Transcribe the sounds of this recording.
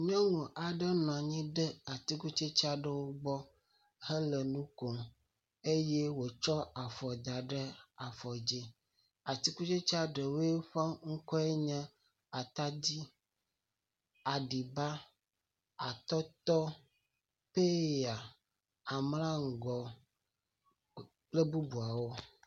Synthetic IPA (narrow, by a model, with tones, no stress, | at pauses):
ɲɔ̃˦ŋũ˨ʔa˨ɖə˦nɔ̃˨a˨ɲĩ˦ɖə˦a˨t̪i˦ku˦t͡ʃe˦t͡ʃa˦ɖə˦wo˦ɡ͡bɔ˦ | hə˦lə˨nũ˦ko˨ | e˦je˦wo˨t͡ʃɔ˦a˨fɔ˨d̪a˨ɖə˦a˨fɔ˨d͡ʑe˦ | a˨t̪i˦ku˦t͡ʃe˦t͡ʃa˦ɖə˨wo˦e˦ɸa˦ŋ̩˦kɔ˦e˦ɲɛ̃˦ | a˨t̪a˦d͡ʑi˦ | a˨ɖi˨ba˦ | a˨t̪ɔ˦t̪ɔ˦ | pe˦a˨ | a˨mlã˦ŋ̩˨ɡɔ˨ | k͡ple˦bu˦bu˨a˨wo˦